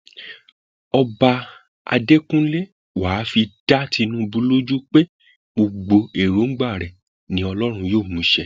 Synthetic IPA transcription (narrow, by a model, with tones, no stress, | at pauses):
ɔ˧ba˧ | a̰˧de˦kũ˦le˦ | waː˨˦fi˧d̥a˦ti˧nũ˦bu˧˦lo˦d͡ʒu˦k͡pe˦ | ɡ͡bo˧ɡ͡bo˧e˨ɾo˨˦ŋ̩˦ɡ͡ba˦˨ɾɛ˨ | nĩ˨˦ɔ˧lɔ˦ɾ̃ũ˧joː˦˨mũ˨˦ʃɛ˧˨